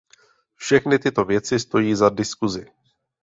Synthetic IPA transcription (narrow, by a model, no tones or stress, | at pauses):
fʃɛxnɪt̪ɪt̪o̞vjɛt͡sɪst̪o̞jiːzadɪskuzɪ